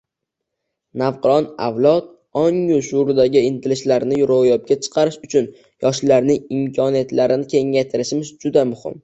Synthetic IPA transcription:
nawqɨɾɒna̰wlˠɒt̪̚ | ɒŋjʊʃʊɾd̪aɡʲɪɪnt̪ʰɪlɪʃlaɾnɪjʊɾɒjɒp̚ɡʲat͡ʃʰɨ̥qʰɑɾɪʃʊt͡ʃʰʊn | jɒʃlaɾnɪŋɪmkʲʰɒnijat̪laɾɪnɪkʲʰe̞ŋːajt̪ʰɪɾɪʃɪmɪzd͡ʒʊd̪amʊhɪ̰m

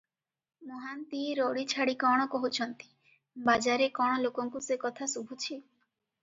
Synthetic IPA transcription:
mɔɦant̪ieɾɔɽit͡ʃʰaɽikɔɽ̃ɔkɔɦut͡ʃʰɔnt̪i̥ | bad͡ʒaɾekɔɽ̃ɔlokɔŋkusekɔt̪ʰasubʱut͡ʃʰi

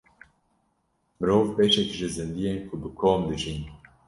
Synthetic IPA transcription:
mɨɾoːvpeːʃɛkʒɨzɨnd̪ijeːnkʰʊbɨkʰoːmd̪ɨʒiːn

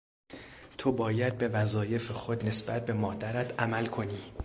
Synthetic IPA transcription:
t̪ʰobɒːjæd̪̚be̞væzɒːje̞fexo̞d̪ne̞sb̥æt̪̚ʰbe̞mɒːd̪æɾæt̪ʰæmælkʰo̞niː

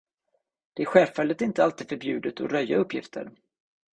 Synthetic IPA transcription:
d̪̥ɛæɾɧɛːfɛlːət̪ɪnt̪əalt̪iːd̪fœɾbjʉ̟ːd̪ət̪ʰɔ̰ɾœjːa̰ɵpʰːjɪft̪ʰə̰ɾ

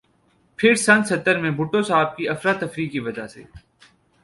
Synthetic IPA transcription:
pʰɪɾsɐ̃nt̪sɐt̪ːəɾmẽbʊʈõsaːb̚kiɐfɾat̪ːɐfɾiːkːiʋɐd͡ʒasḛː

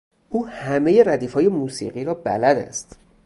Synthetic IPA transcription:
ʔuːhæme̞je̞ɾæd̪iːfɒːje̞muːsḭːɢiːɾɒːbæ̰læd̪æ̰st̪

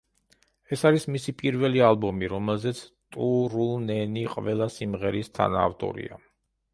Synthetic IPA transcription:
ɛsaɾismisipʼiɾvɛlialˠbɔmiɾɔmɛlˠzɛt̪sʰt̪ʼuɾulˠnɛniqʼvɛlˠasimʁɛɾist̪ʰa̰na̰ːft̪ʼɔ̰ɾḭa̰

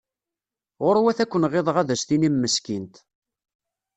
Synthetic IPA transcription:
ʁʊɾwæθækʷːənʁeðˤəʁæðæsθinimːəskint̪

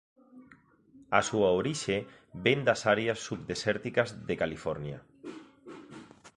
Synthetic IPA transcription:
asuaoɾiʃe | bend̪asaɾeasːuβd̪esɛɾt̪ikɐzðekalifɔɾnja̰

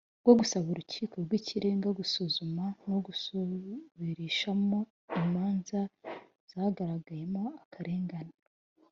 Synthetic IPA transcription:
ɡwo̞ɡusaβoɾucʰiːko̞ɾɡwiːciɾe̞ːŋɡaɡusuzumano̞ɡu | βiɾiːʃamo̞ | imaːnza | z̥ahaɡaɾaɡaje̞mo̞akʰaɾe̞ːŋɡana

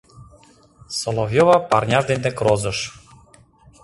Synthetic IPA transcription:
sɔlˠɔvjɔvapaɾnʲaʐd̪ɛnʲd̪ɛkɾɔzɤʃ

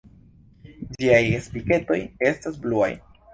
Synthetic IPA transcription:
d͡ʒiajespike̞to̞̰je̞stasblua̰j

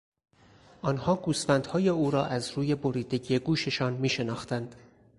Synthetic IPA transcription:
ʔɒːnhɒːɡuːsfænd̪hɒːje̞uːɾɒːʔæzɾuːje̞boɾiːd̪e̞ɟije̞ɡuːʃe̞ʃɒːnmiːʃe̞nɒːxt̪ænd̪̥

